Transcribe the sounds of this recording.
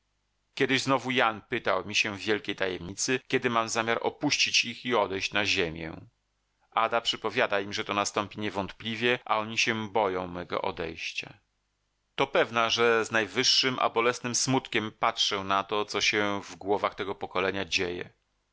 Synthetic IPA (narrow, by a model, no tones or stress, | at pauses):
kʲjɛd̪ɘʑznɔvujanpɘt̪awmʲiɕɛvvʲjɛlkʲejt̪ajɛmɲit̪sɘkʲɛd̪ɘmamzamʲjaɾʔɔ̰puɕt͡ɕit͡ɕixiɔd̪ɛjɕt͡ɕnaʑemʲjɛ̰ | ʔad̪apʂɘpɔvʲjad̪aimʐɛt̪ɔnast̪ɔmpʲiɲɛvɔnt̪plʲivʲjɛʔa̰ɔɲiɕɛbɔjɔ̃w̃mɛɡɔ̰ʔɔ̰d̪ɛ̰jɕt͡ɕa̰ | t̪ɔpɛvnaʐɛznajvɘʂːɘmʔa̰bɔlɛsnɘmsmut̪kʲɛmpatʂɛw̃nat̪ɔt̪sɔɕɛvɡwɔvaxt̪ɛɡɔpɔkɔlɛɲad͡ʑejɛ̰